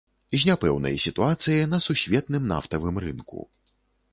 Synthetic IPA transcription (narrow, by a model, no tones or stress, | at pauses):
zʲnʲapɛwnɐ̰jsʲit̪uat̪sɨjɐnɐsusʲvʲɛt̪nɨmna̰ft̪ɐvɨmrɨnkṵ